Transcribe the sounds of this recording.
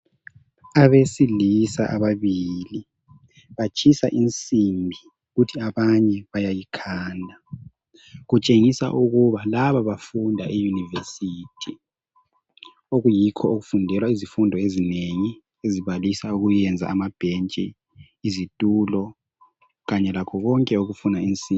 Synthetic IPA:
aβesilisa̰ʔaβaβili | βat͡ʃʰʼisaʔint͡sʼimbʱi | ɣutʰiaβaɲɛβajajikʰaːndʱa | ɣut͡ʃʼeŋisa̰ʔuɣuβalaβaβafundʱaʔijunivesiːtʰi | oɣujikʰɔoɣufundʱɛlwaizifundʱɔezineŋi | eziβalisauɣujɛnd͡zʱa̰ʔamab̥ʱent͡ʃʼiː | zitʼuːlɔ | ɣaɲɛlakʰɔɣɔŋkʼɛuɣufunaint͡sʼi

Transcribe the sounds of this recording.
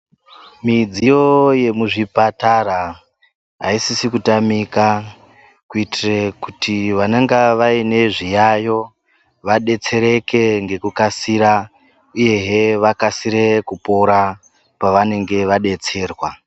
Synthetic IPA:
mid͡zijo̞je̞muʐipatara | ɦaisisikutamika | kuitirekutiʋanaŋɡaʋaine̞ʐijajo̞ | ʋaɗe̞t͡se̞ɾe̞keŋɡe̞kukasiɾa | uje̞ɦeʋakasiɾe̞kupo̞ɾa | paʋane̞ŋɡe̞ʋaɗe̞t͡se̞ːrwa

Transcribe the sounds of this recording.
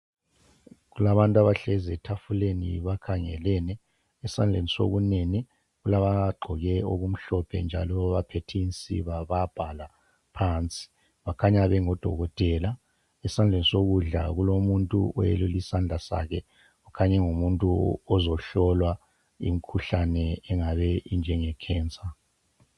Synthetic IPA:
ɣulaβantʼaβaɬɛzɛtʰafulenḭβakʰaŋɛlɛnɛː | sand͡ɮʱeniso̰ɣuneni | ɣulaβaɡ͡ǃʱɔɣɛoɣum̩ɬɔpʰɛ̰nd͡ʒʱa̰lɔβapʰetʰint͡sʼḭβaβab̥ʱala | pʰant͡sʼi̥ | βakʰaɲaβɛŋɔd̥ʱɔ̰ɣɔtʼɛːla | ɛsand͡ɮʱenisoɣuɮa̰ɣulomuntʼṵʔɔjḛlulisand͡ɮʱasa̰kʰɛ | ukʰaɲɛŋumuntʼuɔzɔɬɔlwa | ḭmikʰuɬanɛɛŋaβɛind͡ʒʱɛŋɛkʰɛːnt͡sʼa

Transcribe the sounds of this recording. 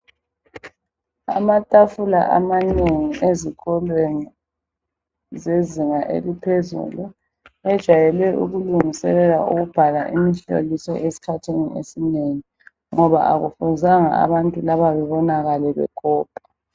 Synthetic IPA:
a̰matʼafula̰ʔa̰maneŋiʔeziɣɔlweŋi | zeziŋaʔḛlipʰezṵlu | ɛd̥ʒ̥ʱajɛlwɛʔṵɣuluŋisɛlɛlauɣub̥ʱalaʔimiɬo̰lisɔ̰ʔesi̥kʰatʰenḭʔḛsineŋi | ŋɔβa̰ʔaɣufuzaŋa̰a̰βantʼulaβaβɛβɔnaɣalɛβɛ̰ɡ̥ʱɔːpʰʼḁ

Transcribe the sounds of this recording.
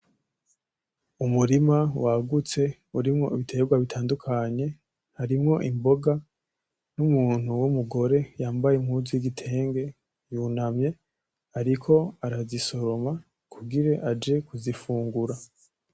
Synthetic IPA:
umuɾimawaɡut͡se̞ | uɾimŋo̞iβitʰe̞ːbɡwaβitʰaːndukʰaɲe̞ | haɾimŋo̞ʔimbo̞ɡa | numuːn̥huwumuɡo̞ɾe̞jaːmbajemhuːzijiɡitʰe̞ːŋɡe̞ | junamɲe̞ | aɾikʰo̞aɾaziso̞ɾo̞ma | kʰuɡiɾe̞ʔad͡ʒe̞kuzifuːŋɡuɾa

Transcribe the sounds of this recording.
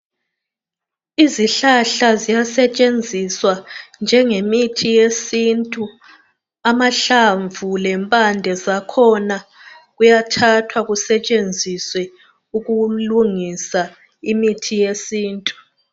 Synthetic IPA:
iziɬaɬazijasɛt͡ʃʼend͡zʱiswand͡ʒʱɛŋemitʰijesintʼu | amaɬaɱvulɛmpʼandʱɛzakʰɔna | ɣujatʰatʰwaɣusɛt͡ʃʼend͡zʱiswɛ | uɣuluŋisa | imitʰijesiːntʼu

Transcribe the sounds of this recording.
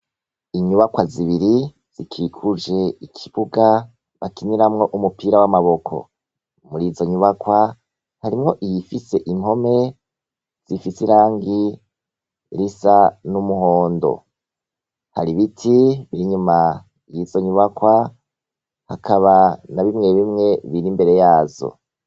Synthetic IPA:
iɲuβakwaziβiɾi | z̥ikʰikʰud͡ʒe̞ikʰi̥βuɡa | βakiniɾamŋo̞ʔumupiɾawamaβo̞kʰo̞̰ | muɾizo̞ɲuβakwa | haɾimŋo̞ʔijifise̞ʔimho̞me̞ | z̥ifisiɾaːŋɡi | ɾisanumuɦo̞ːndo̞̰ | ha̰ɾiβitʰiβiɾiɲuma | ijizo̞ɲuβakwa | hakʰaβanaβimŋe̞βimŋe̞βiɾimbe̞ɾe̞jaːzo̞̰

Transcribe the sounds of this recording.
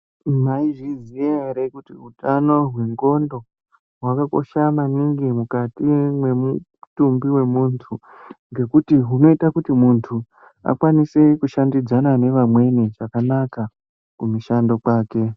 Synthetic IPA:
maiʐizieɾekutiɦutano̞ɦwe̞ŋɡo̞ndo̞ | ɦwakako̞̰ʃamaniŋɡimukatimwe̞mu | tumbiwe̞muntʰu | ŋɡe̞kutiɦuno̞itakutimuntʰu | a̰kwanise̞kuʃandid͡zanane̞ʋamwe̞neʐakanaka | kumuʃando̞kaːke̞

